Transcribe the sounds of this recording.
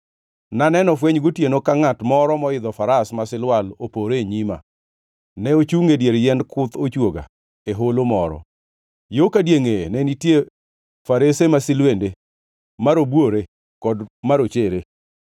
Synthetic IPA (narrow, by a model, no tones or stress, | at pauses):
nanɛnɔfweɲɡotjenokaŋatmɔɾɔmɔɪd̪ɔfaɾasmasɪlwalopoɾeɲima̰ | nɛot͡ʃuŋedjeɾjɛndkʊt̪ot͡ʃwoɡa̰ | eɦolomɔɾɔ̰ | jokadjeŋenɛnitje | faɾesemasɪlwende | maɾobwoɾe | kɔdmaɾot͡ʃeɾe